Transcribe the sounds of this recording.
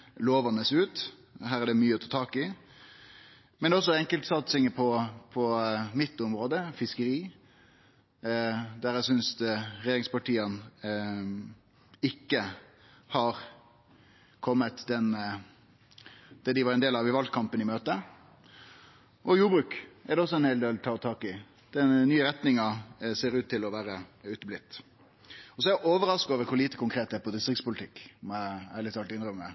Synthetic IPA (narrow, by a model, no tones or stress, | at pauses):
loːʋɑnəsʉːt̪ | ɦæːʁæɖɛmyːəɔt̪ʰɑːt̪ʰɑːkɪ | mɛnd̪ɛɔs̬ːɔɛŋkəlt̪sɑt̪sɪŋəpʰɔpʰɔmɪt̪ːʊmɾoːd̪əfɪskəɾiː | d̪æɾæsʏnsɾɛɪjeːɾɪŋspɑʈiːən | ɪkːə | hɑɾ | kʰɔmːət̪d̪ɛn | d̪̥ɛd̪ɪʋɑɾɛnd̪eːlɑʋɪʋɑlt̪̚kʰɑmpənɪmøːt̪ə | ʔɔjuːbɾʉːkɛɾd̪ɛɔsːɔɛnheːld̪eːlt̪ʰɑːt̪ʰɑːkɪ | d̪̥ɛnyːəɾɛt̪nɪŋɑseːɾʉːt̪ʰːɪlɔʋæːɾəʉːt̪blɪt̪ː | ɔsɔɛæʔoːʋəɾɑskoːʋəɾkʰʊɾliːt̪əkʊŋkʰɾeːt̪̚d̪ɛæːɾpʰɔd̪ɪst̪ɾɪkt̪spʊlɪt̪ʰɪkːmɛæɭɪt̪ɑlt̪ɪnɾœmmə